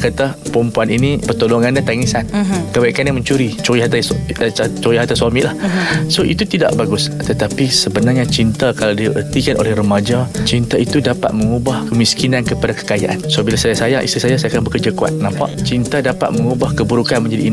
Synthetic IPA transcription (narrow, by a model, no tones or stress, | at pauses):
kat̪a | pɾumpuaninipərt̪oloŋandaht̪aŋisankəbaikanɲaməɲt͡ʃuɾit͡ʃuiɦat̪a | t͡ʃuɾiɦat̪aswamiʔlahsoʔḭt̪ut̪ida̰ʔbaɡust̪ət̪apisəbənarɲat͡ʃint̪akalawdiaʔərt̪ikanʔo̰lɛhrəmad͡ʒat͡ʃint̪ait̪udapa̰t̪̚məŋubahkəmiskinankəpadakə̥kaja̰ʔansobilasajasajaʔḭst̪isajasajakanbəkərd͡ʒakua̰t̪̚nãmpa̰ʔt͡ʃint̪adapa̰t̪̚məŋubahkəbuɾukanmə̃ɲd͡ʒadiːn